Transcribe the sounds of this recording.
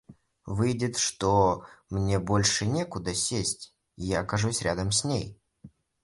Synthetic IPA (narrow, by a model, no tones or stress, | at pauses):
vɨjdʲɪt̪ʂt̪omnʲe̞bo̞lʲʂɨnʲekʊd̪əsʲesʲtʲ | ɪjaːkɐʐusʲɾʲad̪əmsʲnʲej